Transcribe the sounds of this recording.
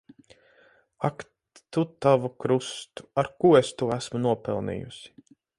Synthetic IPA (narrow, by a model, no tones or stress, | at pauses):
ak | t̪ut̪avukɾust̪u̥aɾkuːest̪uɔæsmunuɔpɛlˠnḭːjṵsi̥